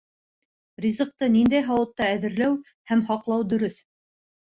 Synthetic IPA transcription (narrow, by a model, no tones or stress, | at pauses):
rʲizɤ̆q̚t̪ɤnind̪æjɦɑwɤ̆t̪ːɑæðɘ̆ɾlæw | hæmhɑqlˠɑwd̪ɵ̆ɾɵθ